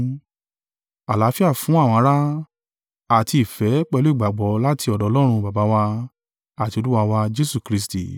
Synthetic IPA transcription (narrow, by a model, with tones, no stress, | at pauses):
a˨la˨˦fi˦a˦˨fũ˨˦a˦˨w̃ɔ̃˧˦˧ɾa˦ | a˨ti˧i˨fɛ˨˦k͡pɛ˧lo˦i˦˨ɡ͡ba˨ɡ͡bɔ˨˦la˦tʰi˧ɔ˨dɔ˨ɔ˧˦ɔ˦ɾ̃ũ˧ba˨ba˨˦wa˧ | a˦˨ti˧o˧lu˦wa˧wa˧d͡ʒe˦su˦˨kɾi˧˦stḭ˨